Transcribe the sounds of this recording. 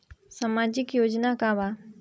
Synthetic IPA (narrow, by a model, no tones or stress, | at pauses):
samaːd͡ʒɪkjoːd͡ʒnakãʋa